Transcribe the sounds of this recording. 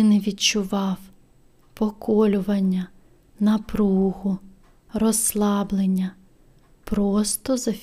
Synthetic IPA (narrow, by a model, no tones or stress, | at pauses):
ɪnɛʋʲidt͡ʃʊʋɑw | pɔkɔlʲʊʋɐnʲːɐ | nɐpɾuhʊ | rɔslˠɑblˠenʲːɐ | pɾɔst̪ɔzɐfʲ